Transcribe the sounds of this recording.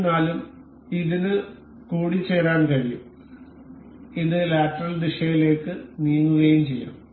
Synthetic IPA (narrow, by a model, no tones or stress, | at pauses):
naːlum | iðinɨ | kuːɽit͡ɕːeːraːɳkɐɻijṵm | inːɨlaːʈːɐrɐld̪iʂɐjile̞ːkːɨniːŋuɣejumt͡ɕejːa̰ːm